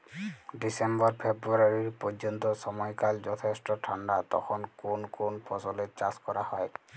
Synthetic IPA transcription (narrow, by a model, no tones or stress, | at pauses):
disembɔɹpʰebɹuaɹiɹpɔd͡ʒɔnt̪ɔsɔmɔjkalzɔt̪ʰestɔtʰandat̪ɔ̰xʰɔnkunkunpʰɔsɔlɛt͡ʃaskɔɹahɔj